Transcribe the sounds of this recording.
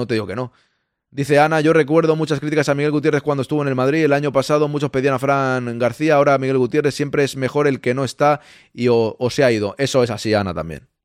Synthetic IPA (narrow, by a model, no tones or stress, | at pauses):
not̪e̞ðiɣo̞ke̞no̞ | d̪iθe̞anaʝo̞re̞kwe̞ɾðo̞mut͡ʃaskɾit̪ikasamiɣe̞lɣut̪je̞rekwand̪oe̞st̪uβone̞lmaðɾie̞laɲo̞pasaðo̞mut͡ʃo̞spe̞ðianafɾaŋɡaɾθiaːo̞ɾamiɣe̞lɣut̪je̞re̞θsje̞mpɾeezme̞xo̞ɾe̞lke̞no̞e̞st̪a | iooseaið̞o̞ʔe̞so̞e̞sasiana̰t̪a̰mbjḛn